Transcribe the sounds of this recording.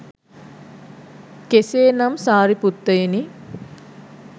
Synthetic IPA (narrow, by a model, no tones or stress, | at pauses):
keseːnamsaːɾiput̪ːəeni